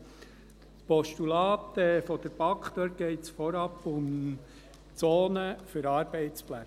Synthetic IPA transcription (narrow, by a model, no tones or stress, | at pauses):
spɔʃtulɑːt̪ɛfɔd̪̥əɾpɑkχd̪øt̚ɡ̥ɛɪtsfɔɾɑpːʊm | t͡soːnəfʏɾɑːɾb̥ɛɪt͡splæ